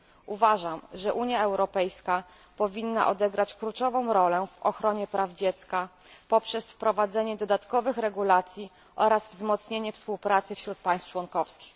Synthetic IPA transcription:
uvaʐamʐɛʔuɲjaɛwɾɔpɛjska | pɔvʲinːa̰ʔɔd̪ɛɡɾat͡ɕklut͡ʂɔvɔ̃w̃ɾɔlɛvɔ̰xɾɔɲɛpɾʔavd͡ʑɛt̪ska | pɔpʂɛsfpɾɔvad̪zɛɲɛd̪ɔd̪at̪kɔvɘxɾɛɡulat̪sʲji | ʔɔɾasvzmɔt̪sɲeɲɛfspuwpɾat̪sɘfɕɾut̪̚paj̃st͡ʂwɔnkɔfskʲi̥x

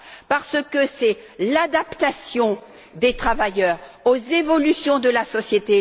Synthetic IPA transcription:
paʁsəkəsɛlad̪apt̪asjɔ̃ | d̪et̪χavajœːʁozevɔlysjɔ̃d̪əlasɔsjet̪e

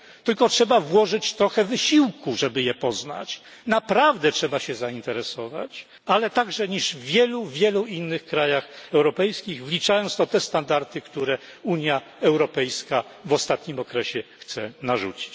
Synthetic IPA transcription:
t̪ɘlkɔtʂɛbavwɔʐɘt͡ɕt̪ɾɔxɛvɘɕiwkuʐɛbɘjɛpɔzna̰t͡ɕ | napɾavd̪ɛtʂɛbaɕɛzaint̪ɛɾɛsɔva̰t͡ɕ | alɛt̪aɡʐɛɲiʐvʲjɛluvʲjɛluinːɘxkɾajaxɛwɾɔpɛjskʲiɣvlʲit͡ʂajɔ̃nt̪d̪ɔt̪ɛst̪and̪aɾt̪ɘkt̪uɾɛuɲja | ɛwɾɔpɛjskavɔst̪at̪ɲimɔkɾɛɕɛxt̪sɛnaʐṵt͡ɕi̥t͡ɕ

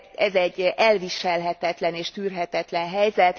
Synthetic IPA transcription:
ɛzɛɟːʔɛlviʃɛlɦɛt̪ɛt̪lɛneːʃt̪yːrɦɛt̪ɛt̪lɛnɦɛjzɛt̪

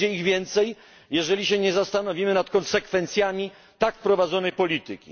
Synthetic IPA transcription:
ɛiɣvʲjɛnt̪sɛj | jɛʐɛlʲiɕɛɲɛzast̪anɔvʲimɘnat̪kɔnsɛkfɛnt̪sʲjamʲi | t̪akfpɾɔvad̪zɔnɛjpɔlʲit̪ɨkʲḭ

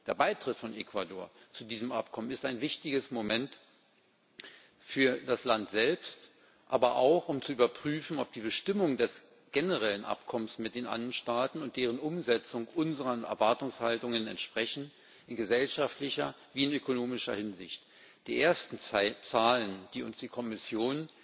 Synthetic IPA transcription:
d̥eːɐbaɪtʁ̥ɪtfɔnʔekv̥adoːɐt͡sudiːzəmʔa̰pkʰɔmənɪstaɪnvɪçtɪɡəsmomɛnt | fyːɐdaslantz̥ɛlpst | ʔaːbɐʔa̰ʊxʊmt͡suʔyːbɐpʁ̥yːfn̩ɔp̚d̥iːbəʃtɪmʊŋdɛs | ɡ̥ɛnəʁɛlənʔa̰pkʰɔmənsmɪt̚d̥eːnʔa̰nɐnʃtaːtn̩ʊntd̥eːʁ̞ənʔʊmzɛt͡sʊŋʔʊnzəʁɐʔɛ̰ɐvaɐtʊŋshaltʊŋənɛ̰ntʃpʁ̥ɛçn̩ | ʔɪnɡəzɛlʃaftlɪçɐ | viːɪnøkonoːmɪʃɐhɪnzɪ̰çt | d̥iːʔeːɐstn̩t͡saːlənd̥iːʊnsd̥iːkʰɔmɪsjoːn

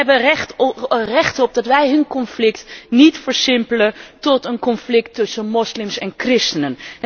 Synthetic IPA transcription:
ɛbəɛ | rɛχtəɔp̚dɑtʋɛjɦɵnkɔnflɪktnitfəɹsɪmpələtɔtənkɔnflɪk̚tːɵsənmɔslɪmsɛnkrɪstənən

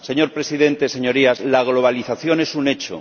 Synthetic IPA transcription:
seɲo̞ɾpɾe̞siðẽ̞nt̪e̞se̞ɲo̞ɾiazlaɣ̞lo̞β̞aliθaθjo̞ne̞sune̞t͡ʃo̰

